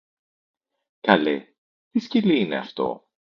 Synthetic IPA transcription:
kɐlḛ | t̪isciliine̞̰ɐ̰ft̪o̞̰

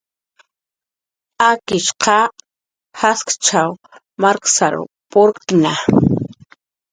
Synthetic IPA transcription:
akɪʃqɑ | haskt͡ʃaw | maɾksaɾʊ̰ | poɾkt̪na

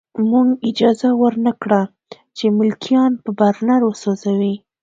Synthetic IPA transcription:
muɡɪd͡ʒɑzawəɾnakɽa | t͡ʃemʊlkʰijɑnpəbaɾnaɾwəsozawi

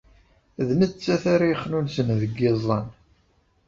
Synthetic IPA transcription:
ðmədt͡sːæθaɾijχnunsənðəɡːɪzˤɑn

